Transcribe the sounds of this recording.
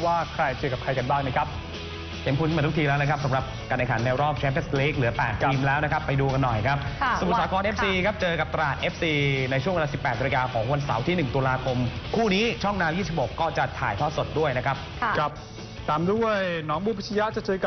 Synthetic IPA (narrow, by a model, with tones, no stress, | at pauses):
waː˥˩kʰɾa˧jt͡ɕɤː˧ka˨˩pkʰa˧jka˧nbaː˥˩ŋna˦˥˩kʰa˦˥p̚ | hʰe˩˦nkʰu˧n˦˧t̪u˦˥kt̪iː˧lɛː˦˥wna˦˥kʰa˦˥p̚sa˨˦mɾa˨˩p̚kaː˧nʔa˧kʰaː˩˦nːɛː˧wɾɔː˥˩p̚t͡ɕʰɛː˦˥p̪ʰe˦˥sle˦˥k̚lɯ˩˦ɐpɛ̰ː˨˩t̪̚ʰiː˧mlɛː˦˥wna˦˥kʰa˦˥pːa˧jduː˧ka˧nːɔ˨˩jkʰa˦˥p̚sa˧˨u˨˩saː˨˦˥kʰɔː˧nʔe˦˥psiː˧kʰp̚t͡ɕɤː˧ka˨˩p̚t̪a˧laː˨˩t̪̚ʔe˦˥p̚siː˧na˧jt͡ɕʰu˥˩əŋwlaː˧si˨˩pːɛː˨˩t̪̚na˧kaː˧kʰɔː˩˦ŋwa˧nsa˩˦wt̪ʰiː˥˩nɯ˨˩ŋt̪uː˧laː˧kʰo˧mkʰuː˥˩niː˦˥t͡ɕʰɔ˥˩ŋnaː˧wjiː˥˩si˨˩ho˨˩kːɔː˥˩t͡ɕa˨˩t̪ʰaː˨˩jt̪ʰɔː˥˩so˨˩t̪̚du˥˩əjna˦˥kʰa˦˥p̚ | kʰa˦˥p̚ | t̪ʰaː˨˧mdu˥˩əjnɔː˩˦˥ŋbuː˧pʰi˥t͡ɕʰa˧ja˦˥t͡ɕa˨˩t͡ɕɤː˧ka˨˩